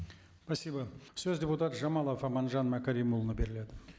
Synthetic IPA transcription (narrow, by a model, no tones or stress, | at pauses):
pʰɑsʲːijbɑsɵzdʲe̞put̪at̪ʒɑmɑlˠofɑmɑnʒɑnmækaɾijmulˠnəbe̞ɾɪle̞d̪ɪ